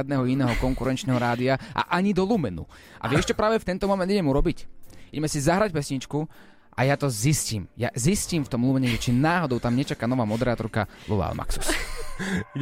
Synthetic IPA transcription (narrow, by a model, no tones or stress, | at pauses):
ad̪nɛːɦɔinɛːɦɔkɔŋkuɾɛnt͡ʃnɛɦɔɾaːd̪iaʔa̰ʔaɲid̪ɔlumɛnṵ | ʔa̰ʋɪɛʃt͡ʃɔpɾaːʋɛft̪ɛnt̪ɔmɔmɛnd̪iɟɛmuɾɔbiciɟɛmɛsizaɦɾac̚pɛsɲit͡ʃku | ʔa̰jat̪ɔzisciːmja̰zisciːmft̪ɔmlumɛɲɛʒɛt͡ʃinaːɦɔd̪ɔʊt̪amɲɛt͡ʃakaːnɔʋaːmɔd̪ɛɾaːt̪ɔɾkalṵʋa̰a̰lma̰ksu̥s